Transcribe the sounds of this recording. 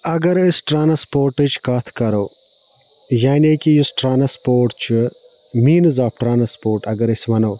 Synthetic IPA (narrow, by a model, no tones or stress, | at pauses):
ɐɡɐɾɪsʈɾaːnɐspoːɾʈɨt͡ʃkɐt̪ʰkɐɾoː | jaːneːkijʊsʈɾaːnɐspoːɾʈt͡ʃʰu | miːnzaːfʈɾaːnɐspoːɾʈɐɡɐɾɪsʋɐnoː